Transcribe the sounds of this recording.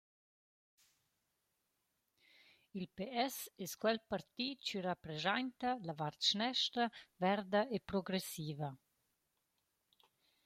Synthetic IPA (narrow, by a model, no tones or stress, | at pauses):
ilpeɛsɛskwɛlpaɾt̪iːt͡ʃyɾapɾezajnt̪ɐlavaɾt̪ʃnɛʃtɾɐvɛɾd̪ɐepɾoɡɾesiːvɐ